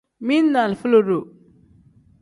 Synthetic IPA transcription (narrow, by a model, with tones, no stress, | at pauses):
mi˦nːa˨lfu˦lo˨ɾo˨